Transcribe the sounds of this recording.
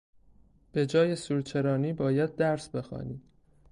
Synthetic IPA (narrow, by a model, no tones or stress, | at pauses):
b̥e̞d͡ʒɒːje̞suːɾt͡ʃʰe̞ɾɒːniːbɒːjæd̪̚ːæɾsbe̞xɒ̰ːni̥ː